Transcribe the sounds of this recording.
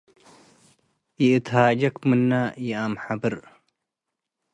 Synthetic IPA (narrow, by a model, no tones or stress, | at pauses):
iɨt̪ɦaːd͡ʑɐkmɨnːaːjiaːmħabɨɾ